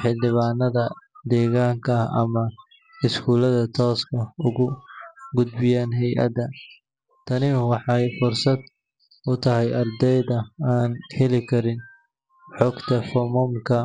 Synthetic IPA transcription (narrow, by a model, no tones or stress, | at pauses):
ħɪld̪ɪβaːnːɐðɐd̪ɛːɣaːŋkʰɐɐ̰mɐ | ɪskʰuːlɐðɐt̪ʰɔːskʰɐʊɣʊɡʊd̪bɪjaːnɦɛjʔɐ̰d̪ɐ | t̪ʰɐnɪwɑħɑjfʊrsɐd̪ | ʊt̪ʰɐɦɛjɐrd̪ɛjðɐaːnhɛlɪkʰɐɾɪn | ħɔɡt̪ʰɐfɔmɔmkʰɐ